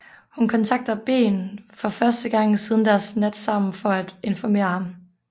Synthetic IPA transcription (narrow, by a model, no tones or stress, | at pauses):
hunkʰɒ̽nt͡sʰɑ̈ɡ̥̚d̥ɐb̥e̝̰ːnfɒ̽fɶɐsd̥əɡ̥ɑ̈ŋ̰sið̞ˠn̩d̥æɐsnæd̥sɑ̈m̰n̩fɒ̽æd̥e̝nfɒme̝̰ːɐhɑ̈m